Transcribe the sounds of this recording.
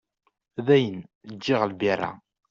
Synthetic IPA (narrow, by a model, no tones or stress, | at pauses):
ðæjənd͡ʒːɪʁəlbirˤːa̰